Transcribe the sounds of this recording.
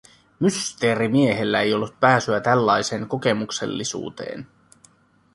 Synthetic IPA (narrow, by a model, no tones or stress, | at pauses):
myst̪e̞ːɾimie̞ɦe̞lːæe̞jo̞lːut̪̚pæːsyæt̪ælːɑjse̞ːŋko̞ke̞mukse̞̰lːisṵːt̪e̞̰ːn